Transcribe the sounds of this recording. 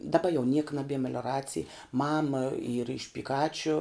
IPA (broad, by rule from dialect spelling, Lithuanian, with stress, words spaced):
dɐˈbɐ jɛʊ nʲiɛk nɐˈbʲiɛ mʲɛlʲoːˈrɑːt͡sʲɪj ˈmɑːmɐ ˈiːrɐ ɪʃ pʲɪˈkɑːt͡ʃʲʊ